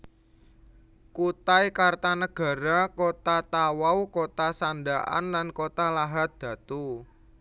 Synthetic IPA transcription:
kut̪aikart̪anəɡ̥ä̤ɾakot̪at̪awawkot̪asandaʔa̰nlankot̪alaɦat̪̚d̪̥ä̤t̪u

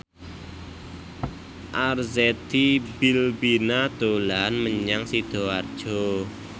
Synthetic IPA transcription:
ʔarzet̪ibilbinad̪̥olanməɲaŋsid̪̥o̤ard̥ʒ̥o

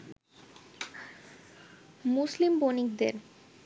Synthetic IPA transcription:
muslimbonikd̪eɾ

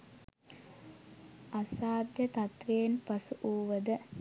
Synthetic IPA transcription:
asaːd̪jət̪at̪ʋeːnpasuʔuːʋəd̪ə

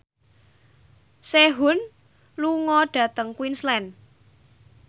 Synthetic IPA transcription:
seɦʊn | luŋɔɖ̥ä̤t̪əŋkwinslɛn

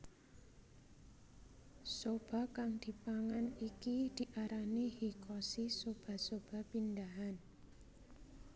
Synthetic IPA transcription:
sob̥a̤kaŋd̪̥i̤paŋanikid̪̥i̤ʔaɾanihikʰɔsisob̥a̤sob̥a̤pind̪aɦan

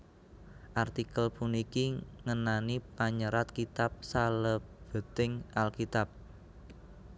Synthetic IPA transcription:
ʔart̪ikəlpunikiŋənanipaɲəɾat̪kit̪ap̚saləb̥ə̤t̪ɪŋʔalkit̪ap̚

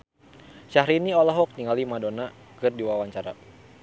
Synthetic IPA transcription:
ʃahɾiniɔlɔɦɔk̚ɲiŋalimadona | kɨrdiwawaɲt͡ʃaɾa̰

